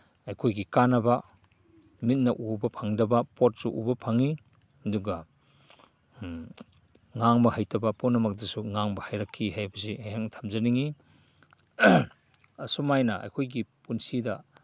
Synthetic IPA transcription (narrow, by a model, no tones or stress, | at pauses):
ɐjkʰojɡikanɐbɐ | mit̚nɐʔubɐpʰɐŋdɐbɐpot̚suʔṵbɐpʰɐŋi | ɐduɡɐ | ŋaŋbɐɦajtʰɐbɐponːɐmɐk̚dɐsuŋaŋbɐhajɾɐkʰːiɦajbɐsiɦaŋtʰɐmzɐniŋi | ɐsumajnɐʔɐ̰jkʰojɡipunsidɐ